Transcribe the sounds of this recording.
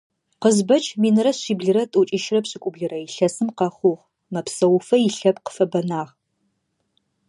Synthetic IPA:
qəzbɐt͡ʃʰʼmiːnɨrɐɕiːbɮɨɾɐtʼut͡ʃʼiʃrɐpɕɪkʷʼʊbɮɨrɐiɬɐsɨmqɐχʷʊʁ | mɐpsɐwʊfɐjiɬɐpqə̥fɐbɐnaːʁ

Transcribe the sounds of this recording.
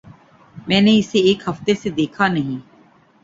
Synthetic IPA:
mɛ̃ːneɪseːkɦəft̪esed̪eːkʰanɐɦĩː

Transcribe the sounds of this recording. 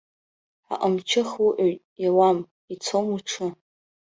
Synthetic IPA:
a̰ʔʼəmt͡ʃʰɪχwuʔoɥtʼjawam | it͡sʰomuʈ͡ʂʰɨ

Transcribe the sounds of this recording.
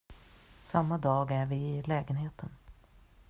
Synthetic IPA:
samːad̪ɑːɡæɾvɪːlɛːɡənheːt̪ʰən

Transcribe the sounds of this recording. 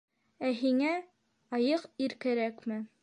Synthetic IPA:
æɦiŋæ | ɑjɤqiɾkæɾækmɘ

